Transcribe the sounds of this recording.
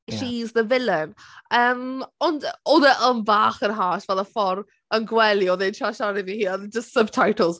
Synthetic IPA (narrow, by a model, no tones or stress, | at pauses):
ʃizðəvɪlɪməːmɔndoðəʔəmbaːχənɦaːtvɛðəfɔɾ | ənɡwɛlˠjɔðɛnʃʰaʃaɾivihiːɔðd͡ʒəstsəb̚tʰajtʰəl̩ˠz̥